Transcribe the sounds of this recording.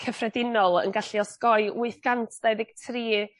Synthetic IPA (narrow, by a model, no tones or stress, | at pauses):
kʰəfrɛdɪnɔlˠə̰nɡaɬiɔskɔɨʔʊɨθɡ̥antʰd̥aɨðɪɡ̥̚tʰriː